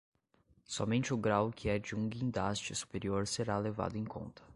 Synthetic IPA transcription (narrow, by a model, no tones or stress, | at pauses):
sɔmẽnt͡ʃɪʊɡɾawkʰɪɛd͡ʒɪũɡĩnd̪ast͡ʃɪsu̥peɾioɾseɾaleva̰d̪ʊẽkʰõ̰nt̪ʰɐ̥